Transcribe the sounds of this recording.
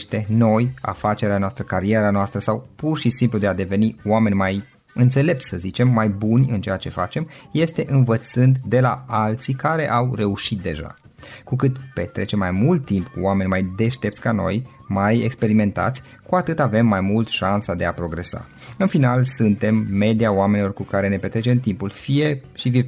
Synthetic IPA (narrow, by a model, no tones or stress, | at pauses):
ʃt̪e̞no̞ja̰fat͡ʃe̞ɾeanoast̪ɾəkaɾieɾanoast̪ɾəsawpurʃisimplud̪e̞ad̪e̞ve̞nioame̞nʲmaj | ɨnt̪se̞le̞p̚t̪ʲsəzit͡ʃe̞mːajbunʲɨnt͡ʃe̞jat͡ʃe̞fa̰t͡ʃe̞mje̞st̪e̞ʔɨnvət̪sɨnd̪d̪e̞laalt̪sikaɾe̞ʔawre̞uʃit̪̚d̪e̞ʒa̰ | kukɨt̪pe̞̰t̪ɾe̞t͡ʃe̞mːajmult̪ːimpkuame̞nʲmajd̪e̞ʃt̪e̞p̚t̪sʲkano̞̰j | majekspe̞ɾime̞nt̪a̰t̪sʲ | kuat̪ɨt̪ave̞mːajmult̪ʃansad̪e̞apɾo̞ɡɾe̞sa̰ | ɨnfinalsɨnt̪e̞mːe̞d̪ijaoame̞nilorkukaɾe̞ne̞pe̞t̪ɾet͡ʃe̞mt̪impulfije̞ʃivi